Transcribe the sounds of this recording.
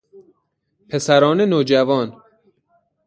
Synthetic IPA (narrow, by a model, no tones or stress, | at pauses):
pʰe̞sæɾɒːnenoːd͡ʒævɒːn